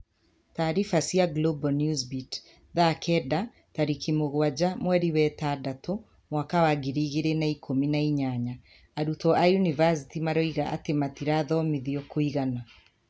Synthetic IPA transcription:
taːɾifasiaɡlobɔnjuzbit | ðakʰɛda | taɾikimoɣwad͡ʑamwɛɾiwɛtadatʰo | mwakawaɡiɾiːɣeɾenaikʰominaiɲaɲaː | ɾutɔajunivasi̥timaɾɔiɣaʔa̰tematiɾaðɔmiðiokoiɣana

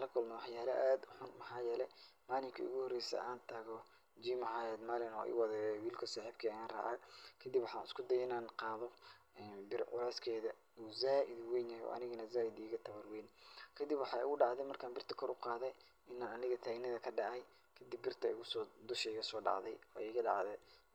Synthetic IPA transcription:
lɐkʰʊlmɔwɑħjaːlɐʔaːd̪ʊħʊnmɐħɑːjɛːlɛmaːlɪŋkʰɐ̰ʊ̰ɣʊhɔrɛjsɐ̰ʔaːnt̪ʰaːɣɔ | d͡ʒiːmɐhaːjɛd̪maːlɪnɔ̰ːʔɪ̰ːwɑðɛːjɔwiːlkʰɐsaːħib̚kʰɐjaːnra̰ːʕa̰kʰɐd̪ibwɑħɑːnɪ̰skʰʊd̪ɐjɪnaːnqɑːðɔ | ɛːnbɪrʕʊlaːskʰɛːðɐ | uːzaːʔɪd̪wɛjnjahjɔ̰ːʔɐ̰nɪɣɐnɐzaːɪd̪iːɣɐt̪ʰɐβɐrwɛjnkʰɐd̪ɪbwɑħɑːʊ̰ɣʊɖɑʕðɛjmɐrkʰaːnbɪrt̪ʰɐ̥kʰɔɾʔʊqɑːðɛj | ɪnaːnɐnɪɣɐt̪ʰaːɡnɐðɐkʰɐɖɑʕɛj | kʰɐd̪ibːɪrt̪ʰɐʊɣʊsɔːd̪ʊʃɛɪɣɐsɔːɖɑ̰ʕðɛ̰jɔːɛɣɐɖɑʕðɛ

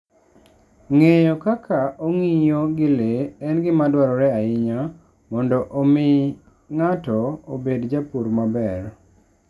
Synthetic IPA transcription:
ŋejɔkakʰaoŋijoɡɪleɛnɡɪmadwaɾɔɾɛaɪɲa | mɔndɔʔomɪ | ŋatɔobedd͡ʒapuɾmabɛr

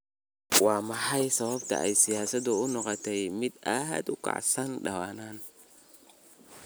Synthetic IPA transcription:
wɑːmɑħɑjsɐβɐbt̪ʰɐ̰ʔɛjsɪjaːsɐd̪ʊʊnɔqɔt̪ʰɛjmɪd̪ɐɦɐ̰d̪ʊkʰɑ̰ʕsɐnɖɐwaːnaːn

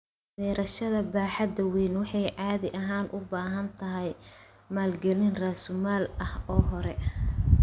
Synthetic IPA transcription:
dɛːɾɐʃɐðɐbaːħɑd̪ɐwiːnwɑħɑjʕɑːðɪʔɐɦaːnʔʊbaːɦɐnt̪ʰɐɦɛj | maːlɡɛlɪnraːsʊmaːlɐhɔːɦɔɾɛ

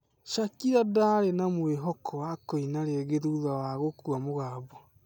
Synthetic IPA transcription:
ʃakiɾadaɾenamweɦɔkʰɔwakɔinaɾeɛɣeðuðawaɣokuamoɣaːbɔ

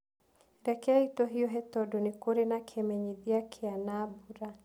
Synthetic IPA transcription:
ɾɛkɛaitɔɦijɔɦɛtɔdɔnikoɾɛnakʰɛmɛɲiðiakʰɛanaːbuɾa

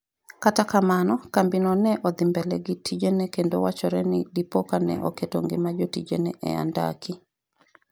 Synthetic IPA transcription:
katakamanɔkambinɔnɛʔɔd̪ɪmbɛlɛɡitʰid͡ʒenɛkendowat͡ʃɔɾɛnɪdipokanɛ̰ʔɔ̰keto̰ŋɡɪmad͡ʒotid͡ʒenɛʔɛ̰a̰nda̰kʰɪ

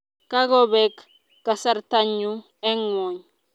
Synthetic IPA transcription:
kaɡobekː | asaɾtaɲːu | eŋwoɲ

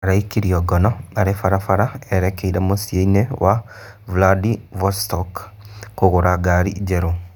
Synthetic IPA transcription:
aɾaikiɾioɡɔnɔaɾefaɾafaɾaeɾekeiɾemosjeinewʔa | vladivostɔkː | oɣoɾaɡaɾḭɟeɾo

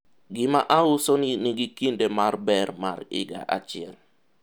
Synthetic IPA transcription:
ɡɪmaʔaʊsɔniniɡikindemarbɛrma̰ɾɪ̰ɡa̰ʔa̰t͡ʃɪɛl

